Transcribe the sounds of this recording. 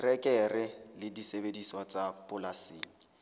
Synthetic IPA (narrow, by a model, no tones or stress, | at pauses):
rɛkʼɛrɪlɪdisebediswat͡sʼapʼʊlasiːlɪ